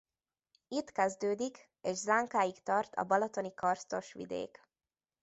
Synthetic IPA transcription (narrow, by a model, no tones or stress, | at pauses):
it̪kɛzd̪øːd̪ik | eːʃzaːŋkaːjikt̪ɒrt̪ʰɒ̰bɒlɒt̪o̞nikɒrst̪o̞ʃʋḭd̪ḛːk